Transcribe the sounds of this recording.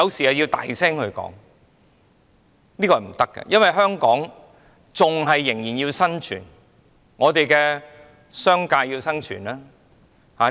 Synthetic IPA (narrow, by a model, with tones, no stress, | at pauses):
ɐ˨˧wsiː˨˩hɐ˨wji˧wt̪a̰ː˨jsɛː˥ŋhɵ˧ɥkɔ̰ː˨˥ŋ | niː˥kɔː˧hɐ˨˩m̩˨˩t̪ɐ˥kːɛ̰˧jʔɐ˥nwɐ˨jɦœː˥ŋkɔː˨˥ŋ | t͡sʊ˨ŋɦɐ˨jːɪ˨˩ŋjiː˨˩njiː˧wsɐ˥nt͡ʃʰy̰ː˨˩n | ŋɔː˨˧t̪e˨jkɛː˧ | sœː˥ŋkaː˧ji˧wsɐ˥nt͡ʃʰy̰ː˨˩naː˥ | haː˨˥